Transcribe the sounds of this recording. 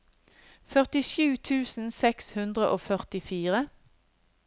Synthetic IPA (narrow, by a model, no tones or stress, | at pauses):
fœʁt̪ɪʃʉːt̪ʰʉːsn̩sɛkshʉnd̪ʁəʔoːfœʁt̪ɪfiːʁə